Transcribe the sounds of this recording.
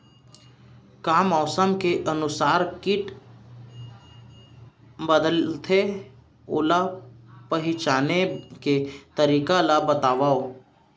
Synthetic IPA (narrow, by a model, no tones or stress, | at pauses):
kaːmɔːsəmkeʔənʊsaːɾkɪʈ | bəd̪əlt̪ʰe | o̰ːlapəɦɪt͡ʃaːneket̪əɾiːkalabət̪aːʋao